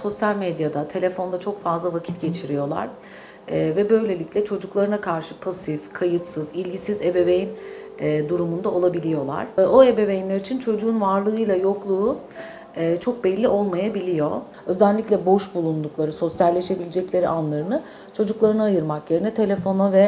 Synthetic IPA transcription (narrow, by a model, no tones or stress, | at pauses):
so̞sjalʲmed̪jad̪at̪ʰe̞lʲe̞fo̞nd̪at͡ʃʰo̞kfazlˠavacʰi̥t̪ɟe̞t͡ʃʰiɾijo̞lˠa̰ɾ̥ | ɛvɛbø̞jlʲe̞lʲicʲlʲɛt͡ʃʰo̞d͡ʒuklˠaɾɯnakʰaɾʃɯpʰasifkʰajɯt̪sɯzilʲɟisize̞be̞vejinː | d̪uɾumund̪ao̞lˠabilʲijo̞lˠa̰ɾ̥o̞e̞be̞vejinlʲeɾit͡ʃʰint͡ʃʰo̞d͡ʒuːnvaɾlˠɯɯjlˠajo̞klˠuː | t͡ʃʰo̞k̚bɛlʲːio̞lˠmajabilʲijo̞ | ø̞zænʲlʲːiclʲɛbo̞ʃbulˠund̪uklˠaɾɯso̞sjalʲːe̞ʃe̞bilʲed͡ʒɛclʲe̞ɾiʔanlˠaɾɯnɯ | t͡ʃʰo̞d͡ʒuklˠaɾɯnaajɯɾmakje̞ɾinɛt̪ʰe̞lʲe̞fo̞navɛ